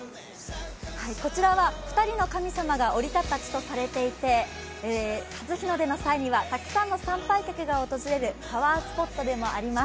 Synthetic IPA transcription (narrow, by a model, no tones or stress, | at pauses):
haiko̞t͡ɕiɾaβaɸɯ̟̥t̪aɾʲino̞kamʲisamaɡao̞ɾʲit̪at̪ːat͡ɕi̥t̪o̞saɾe̞t̪e̞it̪e̞ | hazɨçʲino̞d̪e̞no̞saiɲ̟iβat̪akɯ̟̥sãnːo̞sãmpaikʲakɯ̟ɡao̞t̪o̞zɨɾe̞ɾɯ̟paβaːsɨ̥po̞t̪ːo̞d̪e̞mo̞aɾʲimas